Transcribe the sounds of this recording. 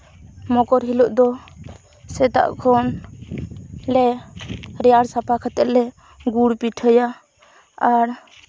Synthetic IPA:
mɔkɔɾɦiluʔd̪ɔ | sɛt̪a̰ʔkʰɔn | lɛ | ɾɛjaɽsapʰakʰat̪ɛʔ̪lɛ | ɡuɽpiʈʰəja | aɾ

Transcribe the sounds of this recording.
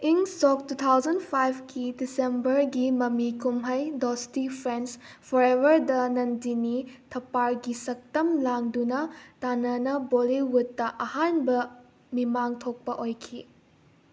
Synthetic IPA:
iŋsok̚tut̪ʰawzɐnpʰajbʰkidisembɐɾɡimɐmikumɦɐjdostipʰɾenspʰɔɾebɐɾdɐnɐndinitʰɐpaɾɡisɐk̚tɐmlaŋdunɐtanɐnɐboliwutːɐʔɐhanbɐ | mimaŋtʰok̚pɐʔojkʰi

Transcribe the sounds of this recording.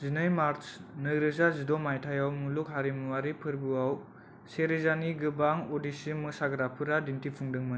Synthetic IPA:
zinɯjmaɾnɯɾɯzazidɔmajtʰajawmuluk̚ɦaɾimuwaɾipʰɯɾbuaw | seɾizaniɡɯbaŋodisimɯsaɡɾapʰɯɾadintipʰuŋdɯŋmɯn

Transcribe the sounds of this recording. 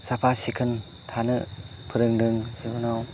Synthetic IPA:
sapʰasikʰɯn | t̪ʰanɯ | pʰɯɾɯŋdɯŋsibunaw

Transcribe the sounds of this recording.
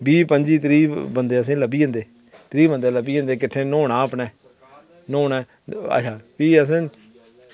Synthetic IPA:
biːpəɲd͡ʒiːt̪ɾiːbənd̪eːəs̬ẽːləbiːə̃nd̪eː | t̪ɾiːbənd̪eːləbiːə̃nd̪eːkɪʈʰːẽːnoːɳaːəpnɛː | noːnɛː | ə̰ʃʰaːpiːəs̬ẽː

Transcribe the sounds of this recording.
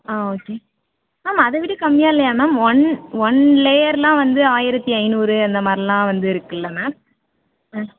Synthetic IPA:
aːoːkːeː | aːmaɐðɯʋɪʈːɯkɐmːɪjaːɪlːɐjaːnaːmɔnʋɔɳleːjɐɾlãːʋɐnd̪ɯaːjɪɾɐt̪ːiɐɪnuːɾɯɐnd̪ɐmaːd̪ɾilãːʋɐnd̪ɯɪɾɯkːɯlːɐnaː

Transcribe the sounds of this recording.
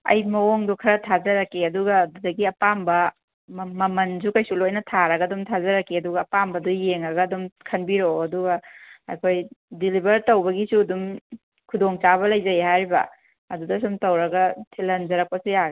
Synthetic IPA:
ɐ̰jmɐoŋdukʰɐɾɐtʰazɐɾɐkːiɐduɡɐːdudɐɡiɐpambɐ | mɐmɐnzukɐjsulojnɐtʰaɾɐɡɐdumtʰazɐɾɐkːiɐduɡɐːpambɐdujeŋɾɐɡɐːdumkʰɐnbiɾoːduɡɐɐ̰jkʰojdilibɐɾtɐwbɐɡisudum | kʰudoŋt͡ʃaβɐlɐjzɐjɦaɾibɐ̰ | ɐdudɐsumtɐwɾɐɡɐtʰilɐnzɐɾɐk̚pɐsijaɡ

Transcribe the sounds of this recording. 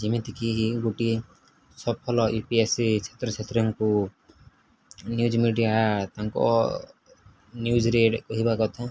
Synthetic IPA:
d͡ʒimit̪ʰikiɦiɡuʈi | sɔb̚pʰɔlɔʔipiesit͡ʃʰe̥t̪ɾɔt͡ʃʰet̪ɾiŋku | njud͡ʒminiʈiaat̪aŋkɔ̰ | njud͡ʒɾeɖkɔɦibakɔt̪ʰɛ̃

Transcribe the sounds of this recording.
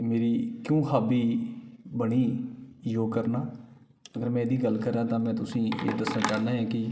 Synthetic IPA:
meːɾiːkjõːhaːbiːbəɳiːjoːkəɾnaː | əɡəɾmɛ̃ːd̪iːɡəlkəɾːaːt̪ãːmɛ̃ːt̪ʊsĩːḛːd̪əsnãːt͡ʃaːnaːɦɛ̃ːkɪ

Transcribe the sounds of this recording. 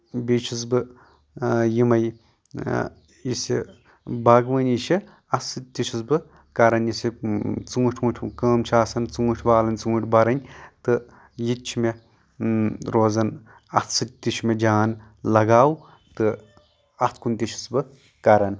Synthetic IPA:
bit͡ʃʰis̬bɨ | jimɐj | jisi | bɐɡʋɐniʃi | ɐt̪sɨt̪̚ʲt̪iʃʰisbɨ | kɐɾɐnjisit͡suːʈʰuːʈʰʲkəːmt͡ʃʰaːsɐnt͡sũːʈʲʰʋaːlɐnt͡suːʈʰʲbɐɾɐnʲt̪ɨ | jit̪t͡ʃʰime | ɾoːzɐn | ɐt̪ʰsɨt̪̚ʲt̪iʃʰmed͡ʒaːn | lɐɡaːw | t̪ɨ | ɐt̪ʰkʰunt̪iʃʰi̥sbɨ | kɐɾɐn

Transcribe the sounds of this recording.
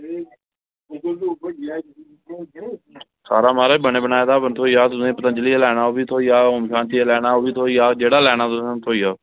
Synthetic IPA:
saːɾaːmaːɾeːbəɳeːbənaːed̪aːbənt̪ʰoːiːaːt̪ʊsẽːpət̪ənd͡ʒəliːelɛːɽaːoːbiːt̪ʰoːijaːʊmʃãːnt̪ʰiːeːlɛːnaːoːbiːt̪ʰoːijaːd͡ʒeːɽaːlɛːnaːt̪ʊsãt̪ʰoːijaː

